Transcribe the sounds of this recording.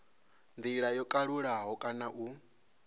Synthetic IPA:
nd̪iɺajɔkʼaɺuɺaɦɔkʼanaʔu

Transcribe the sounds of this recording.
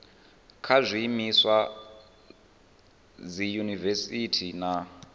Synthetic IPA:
kʰazʷimiswa | d͡zijunivɛsitʰina

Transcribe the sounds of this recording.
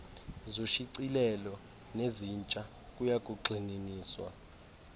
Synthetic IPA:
zoʃiǀilɛlɔ | nezint͡ʃʼa | kʼujakʼuǃʱininiːswa̰

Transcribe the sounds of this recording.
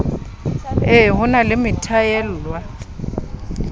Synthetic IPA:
ɪɦʊnalɪmɪtʰajɛl̩ːlwa

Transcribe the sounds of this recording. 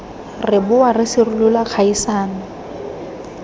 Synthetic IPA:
rɪbʊwarɪsɪrʊlʊlak͡xʰaisaːna

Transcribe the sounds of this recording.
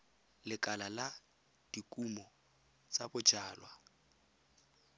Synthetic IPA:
lɪkʼalala | d̥ikʼumɔ | t͡sʼabʊ̥ʒ̥aːlwa

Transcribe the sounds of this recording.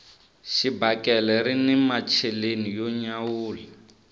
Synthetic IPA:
ʃibakɛlɛɾinɛmat͡ʃʰelenijoɲawuːlɛ

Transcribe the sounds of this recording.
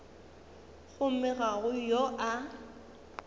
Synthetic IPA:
ɣʊmɛɣaɣʊjoʔa

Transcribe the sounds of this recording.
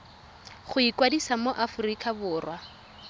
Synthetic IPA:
χʊikwadisamoʔafʊrikʼabʊːrwa

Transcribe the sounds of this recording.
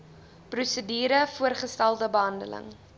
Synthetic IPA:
prusədiːɾəfuərχəstælˠdəbəɦɐndə̰lə̰ŋ

